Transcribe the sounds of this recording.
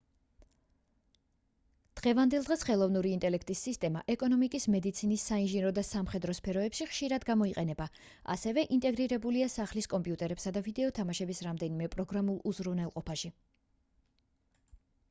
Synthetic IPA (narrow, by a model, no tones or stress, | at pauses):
d̪̥ʁɛvand̪ɛlˠd̪ʁɛsχɛlˠɔvnuɾiːnt̪ʼɛlɛkʰt̪ʼisːist̪ʼɛmaʔɛkʼɔnɔmikʼismɛd̪it̪sʰinisːainʒinɾɔd̪asamχɛd̪ɾɔspʰɛɾɔɛpʃiχʃiɾad̪ɡamɔiqʼɛnɛba | a̰sɛvɛʔint̪ʼɛɡɾiɾɛbuliasaχliskʼɔmpʼijut̪ʼɛɾɛpsad̪avid̪ɛɔt̪ʰamaʃɛbisɾamd̪ɛnimɛpʼɾɔɡɾamulˠuzɾuvnɛlˠqʼɔpʰaʃi